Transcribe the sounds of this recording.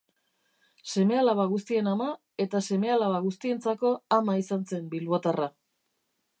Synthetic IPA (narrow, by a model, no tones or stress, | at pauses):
se̞me̞alaβaɣ̞ust̪ie̞nama | e̞t̪ase̞me̞alaβaɣust̪ie̞nt͡sako̞amaisanse̞mbilβot̪ara